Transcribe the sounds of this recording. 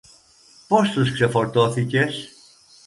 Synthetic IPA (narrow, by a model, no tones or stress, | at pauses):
po̞st̪uskse̞fo̞ɾt̪o̞θice̞s